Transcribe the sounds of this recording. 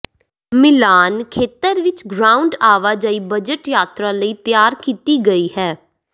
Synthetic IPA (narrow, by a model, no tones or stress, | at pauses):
mɪlaːnkʰeːt̪əɾʋɪt͡ʃɡɾaːʊ̃ɳɖaːʋaːd͡ʒaːiːbəd͡ʒəʈjaːt̪ɾãːləiːt̪ɪjaːɾkiːt̪iːɡəiːhɛː